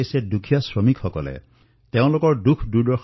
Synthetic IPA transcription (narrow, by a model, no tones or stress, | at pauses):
jsedukʰijasɹɔmikxɔkɔlḛ | t̪eʊ̃lokɔɹdukʰdudɔ